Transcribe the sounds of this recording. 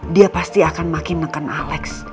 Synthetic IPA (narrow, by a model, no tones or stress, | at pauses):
diapast̪iakanmakɪnːəkanʔalɛks